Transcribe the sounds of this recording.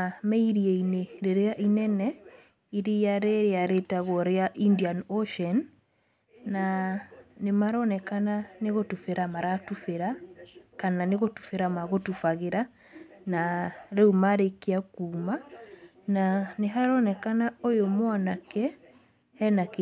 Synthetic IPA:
mɛiɾieineɾeɾeaʔinɛnɛ | iɾeaɾeɾeaɾetaɣɔɾeaʔindianoʃɛnː | a | nemaɾɔnɛkananeɣotufeɾamaɾatufeɾakananeɣotu̥feɾamaɣotufaɣeɾa | naɾeumaɾekeakuːma | naneɦaɾɔnɛkanaojomwanakɛ | hɛnak

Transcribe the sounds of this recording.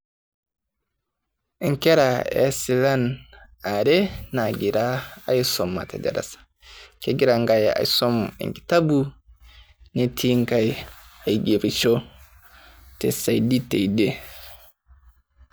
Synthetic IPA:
ɛŋkɛɾaɛ̰silan | aɾɛnaɡiɾaajsɔmːa̰tɛdɛ̰ɾa̰sḁ | kɛɡiɾaŋɡaja̰jsɔmɛ̰ŋki̥tabu | nɛtʰiŋkajajɡeɾit͡ʃɔ | tɛ̰sajditɛjdɛ

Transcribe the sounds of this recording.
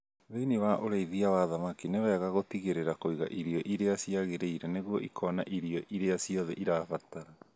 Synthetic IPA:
ðeiniwaʔoɾaiðiawaðamakinewɛɣaɣotiɣeɾeɾakoiɣa̰ʔiɾiɔʔiɾeasiaɣeɾeiɾɛneɣuɔʔikʰɔna̰ʔiɾiɔʔiɾeasiɔðɛʔiɾafataɾa

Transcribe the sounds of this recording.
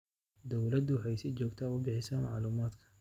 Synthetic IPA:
d̪ɔwlɐd̪ʊwħajsɪd͡ʒɔːɡt̪ʰaːʊbɪħɪsama̰ʕlumaːd̪kʰɐ̥

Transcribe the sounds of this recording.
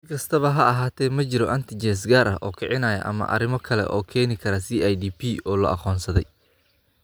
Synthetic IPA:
sɪkʰɐst̪ʰɐβɐɦɐɐɦaːt̪ʰɛːmɐt͡ʃɪɾɔʔɐnt̪ʰɪt͡ʃɛːs̬ɡaːɾʔɐʔɔːkʰɪʕɪnaːjɐ̰ʔɐ̰mɐ̰ʔɐ̰ɾɪmɔkʰɐlɛ̰ʔɔːkʰɛːnɪkʰɐɾɐsiːajd̪iːpʰiːʔɔːlɐ̰ʔɑ̰qɔːnsɐðɛj

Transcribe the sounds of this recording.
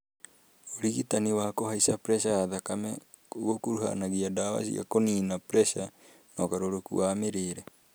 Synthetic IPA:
oɾiɣitaniwaːkoɦaisapɾesaðakame | oɡokuɾuɦa̰naɣiadawa̰sḭa̰koninapɾesa | nokaɾoɾokṵamiɾeɾe

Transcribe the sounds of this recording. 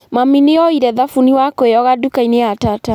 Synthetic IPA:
mamineɔiɾɛðafuniwakoeɔɣadukaineatata

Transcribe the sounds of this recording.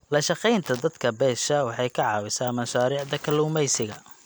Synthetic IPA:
lɐʃɑqɛjnt̪ʰɐd̪ɐd̪kʰɐbɛːʃɐwɑħɑjkʰɑʕɑːwɪsaːmɐʃaːɾiːʕd̪ɐkʰɐluːmɛjsɪɣɐ

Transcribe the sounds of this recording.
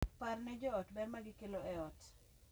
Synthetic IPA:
parnɛd͡ʒɔɔtbɛrmaɡɪkeloɛɔt

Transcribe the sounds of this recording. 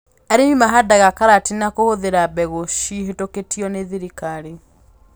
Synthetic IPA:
ɛɾemimaɦadaɣakaɾatinakohoðeɾabɛɣoʃiɦetoketiɔneðiɾikaɾe

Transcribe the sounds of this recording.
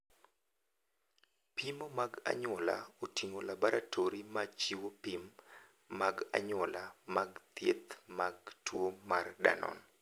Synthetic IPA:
pimomaɡa̰ɲɔla̰otiŋolabaɾatʰoɾimat͡ʃiwopimː | aɡa̰ɲɔlamaɡt̪jet̪maɡtwomarda̰nɔ̰n

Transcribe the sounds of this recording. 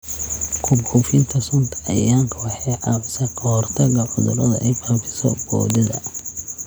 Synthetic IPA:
kʰʊbufɪnt̪ʰɐsʊnt̪ʰɐ̥ɐjaːŋkʰɐwɑħɑjʕɑbsɐqʰɐhɔrt̪ʰɐɣɐħʊðʊlɐðɐ̰ʔɛjfaːfɪ̥sɔ̰bɔ̰ːd̪ɐðɐ̰

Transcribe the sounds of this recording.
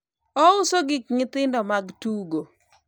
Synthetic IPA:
ɔʊsoɡɪk̚ŋɪt̪ɪndɔmaɡtuɡo

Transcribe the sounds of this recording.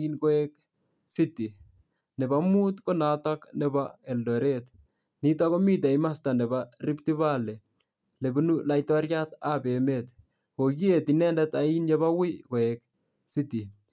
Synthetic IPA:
inkoɛk | siti | nɛbamut̪konataknɛbaɛldɔɾet | nitakomit̬aimastanɛbariptiβalɛ | lebunulajtwaɾjatabemet̪ | koɡietinɛndɛtainjebawɪkoɛk | siti

